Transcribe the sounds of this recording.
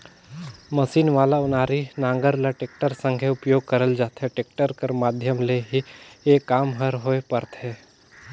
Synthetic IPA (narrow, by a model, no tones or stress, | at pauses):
mɐsiːnʋaːlaʊnaːɾinãːŋɡəɾlaʈeːk̚ʈəɾsə̃ŋɡʱeʊpjoːɡ̚kəɾəld͡ʒaːt̪ɦɛʈeːk̚ʈəɾkəɾmaːd̪ʱjəmleɦieːkːaːmɦəɾɦoepəɾt̪ɦɛː